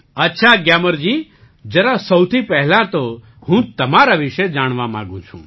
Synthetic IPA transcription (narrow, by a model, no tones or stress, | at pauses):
ətːʃʰaɡjaːməɾd͡ʒiː | d͡ʒəɾasəwt̪ʰipɛɦlãt̪o | ɦũt̪ɐmaɾaʋɪʃed͡ʒaːɽ̃ʋamã̰ːɡũt͡ʃʰṵ̃ː